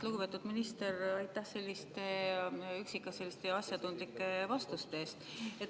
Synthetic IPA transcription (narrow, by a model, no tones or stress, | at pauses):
luɡ̥upe̞ːt̪ːˑud̪minist̪e̞ɾɑjt̪ːˑɑhse̞lʲːist̪eyksikːˑɑse̞lʲːist̪eɑsʲjɑt̪und̪likːˑe̞vɑst̪ust̪eeːst̪et̪